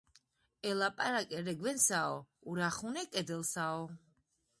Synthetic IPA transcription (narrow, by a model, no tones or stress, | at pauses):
ɛlapʼaɾakʼɛɾɛɡwɛnsaɔuɾaχunɛkʼɛd̪ɛlsaɔ